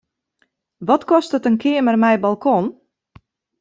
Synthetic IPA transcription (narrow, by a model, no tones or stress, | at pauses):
ʋɔtkɔstətənkʰɪəmərmɛjbalˠkʰon